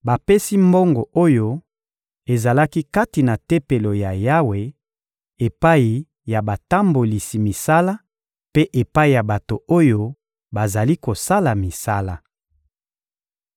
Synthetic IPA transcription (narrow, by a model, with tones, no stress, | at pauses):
ba˨pe˦si˦mbo˦ŋɡo˨o˦jo˦ | e˨za˨la˦ki˦ka˦ti˨na˨te˦pe˨lo˨ja˨ja˦we˨ | e˨pa˦i˨ | ja˨ba˨ta˦mbo˨li˨si˨mi˨sa˦la˦ | pe˦ʔe˨pa˦i˨ja˨ba˨to˨o˦jo˦ | ba˨za˨li˦ko˨sa˦la˨mi˨sa˦la˦